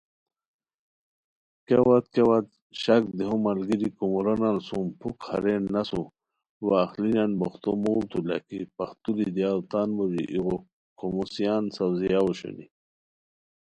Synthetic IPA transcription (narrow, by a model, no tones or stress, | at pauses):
kewat̪kewat̪ | ɕak̚d̪iɦumalɡiɾikumuɾanansumpʰukha̰ɾenːasu | waːxlinanboxt̪omolt̪ʰula̰kipaxt̪ulid̪ijalt̪aːnbod͡ʑiʔiɣo | komusijansawzijauɕṵnḭ